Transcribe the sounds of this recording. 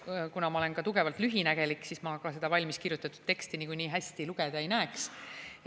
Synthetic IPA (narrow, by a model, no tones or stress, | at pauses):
kunɑmɑolenkɑt̪uɡe̞vɑlt̪lyɦinæɡ̥e̞likːˑsismɑkɑse̞d̪̥ɑvɑlʲmiskirjut̪ːˑɑt̪ːˑud̪̥tːe̞kst̪inikujniːɦæsʲt̪iluɡ̥ed̪ɑejnæeks